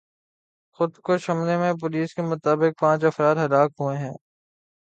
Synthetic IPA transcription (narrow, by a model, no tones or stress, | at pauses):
xʊd̪koʃɐmlemẽp̬ʊliːskemʊt̪aːbɪk̚pãːt͡ʃɐfɾaːd̪ɦɐlaːkɦueɦɛ̃ː